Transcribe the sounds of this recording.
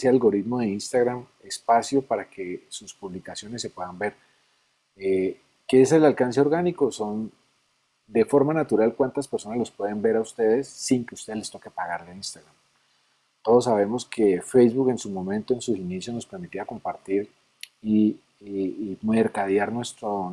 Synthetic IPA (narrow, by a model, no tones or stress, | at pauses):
sealɡo̞ɾit̪mo̞ðe̞inst̪aɣɾam | e̞spasjo̞paɾake̞suspuβlikasjo̞ne̞sːe̞pwe̞ðambe̞ɾ | e | keeselalkanse̞o̞ɾɣaniko̞so̞n | d̪e̞fo̞ɾmanat̪uɾalkwant̪aspeɾso̞nazlo̞spwe̞ðe̞mbe̞ɾaust̪e̞ðe̞sːiŋke̞ust̪elest̪o̞ke̞paɣaɾðeinst̪aɣɾam | t̪o̞ðo̞sːaβe̞mo̞skʰe̞fejzβuke̞nsumõ̞mẽ̞nt̪oensusinisjo̞zno̞spe̞ɾmit̪iako̞mpaɾt̪iɾ | i | meɾkaðjaɾnwe̞st̪ɾo